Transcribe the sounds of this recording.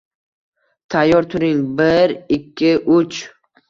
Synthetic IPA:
t̪ʰajːɒɾt̪ʰʊɾɪŋbɪɾɪkʲʰːɪʔʊt͡ʃ

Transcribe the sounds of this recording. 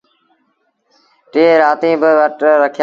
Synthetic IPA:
ʈeːɾaːt̪ĩːbɪʋəʈɾəkʰj

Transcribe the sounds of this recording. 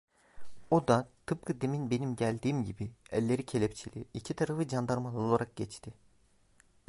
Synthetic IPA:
od̪at̪ʰɯp̚kʰɯd̪eminbe̞nimɟælʲd̪iːmɟibiælʲːe̞ɾicʰelʲɛp̚t͡ʃʰilʲḭicʰit̪ʰaɾafɯd͡ʒand̪aɾmalˠolˠaɾak̚ɟɛt͡ʃt̪ʰi

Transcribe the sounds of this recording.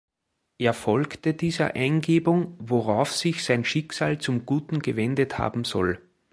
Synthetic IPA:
ʔeːɐfɔlktədiːzɐ̰ʔaɪnɡeːbʊŋvoʁaʊfsɪçsaɪnʃɪksaːlt͡sʊmɡ̥uːtn̩ɡ̥əvɛndətha̰ːbm̩zɔ̰l

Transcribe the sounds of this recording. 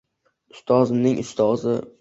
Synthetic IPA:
ʊst̪ʰɒzɪnɪŋʊst̪ʰɒzɪ

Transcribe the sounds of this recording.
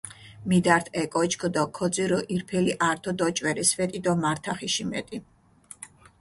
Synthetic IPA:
mid̪aɾt̪ʰɛkʼɔt͡ʃkʰɔd̪ɔkʰɔd̪ziɾɔʔiɾpʰɛliʔaɾt̪ʰɔd̪ɔt͡ʃʼwɛɾisvɛt̪ʼid̪ɔmaɾt̪ʰaχiʃimɛ̰t̪ʼi

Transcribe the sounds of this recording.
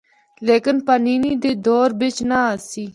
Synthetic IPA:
leːkɪnpəniːniːd̪eːd̪ɔːɾbɪt͡ʃnaːəsiː

